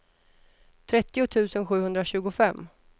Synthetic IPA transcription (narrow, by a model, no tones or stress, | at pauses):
t̪ʰɾɛt̪ːɪʊt̪ʰʉ̟ːsənɧʉ̟ːhɵnd̪ɾaɕʉ̟ːɡʊfɛmː